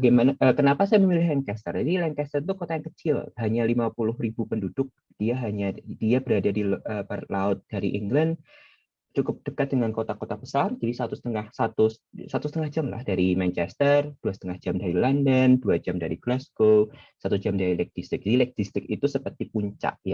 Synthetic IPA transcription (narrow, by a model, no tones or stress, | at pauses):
bbaɡajmanaʔəkənapasajaməmilɪhlɛŋkɛst̪ə̰rd͡ʒadilɛŋkɛst̪ərt̪̬ukot̪ajaŋkət͡ʃɪlhaɲalimapulʊhribupəndud̥ʊk̚ | d̥iaɦaɲadiabəɾadadiəpərlaʊt̪̚d̥aɾḭʔiŋɡland | t͡ʃukʊp̚d̥əkat̪̚dəŋankot̪akot̪abəsard͡ʒadisat̪usə̥t̪əŋahsat̪ussat̪usət̪əŋahd͡ʒamla̰hdaɾimɛnt͡ʃɛst̪ərd̥uasət̪əŋahd͡ʒamdaɾilandənduad͡ʒamdaɾiɡlɛskosat̪ud͡ʒamdaɾilɛk̚dist̪ɪk̚d͡ʒadilɛk̚d̪ist̪ɪk̚it̪usəpərt̪ipuɲt͡ʃa̰ʔja